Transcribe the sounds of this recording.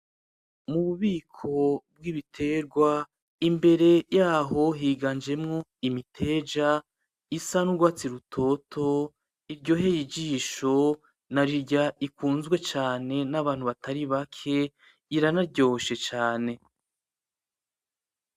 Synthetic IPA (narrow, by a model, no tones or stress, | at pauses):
muβuβiːkʰo̞bwiβitʰe̞ɾɡwa | imbe̞ɾe̞jaːɦo̞ɦiːɡand͡ʒe̞mŋo̞imitʰe̞ːd͡ʒa | isanuɾɡwaːt͡siɾutʰo̞tʰo̞ | iɾɟo̞ːɦe̞jid͡ʒiːʃo̞ | naɾiɾɟaikuːnzɡwe̞t͡ʃaːne̞naβaːn̥huβatʰaɾiβakʰe̞ | iɾanaɾɟo̞ːoʃe̞t͡ʃaːne̞